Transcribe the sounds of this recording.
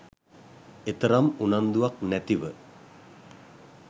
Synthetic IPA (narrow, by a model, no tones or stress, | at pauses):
et̪əɾamunand̪uak̚næt̪iʋə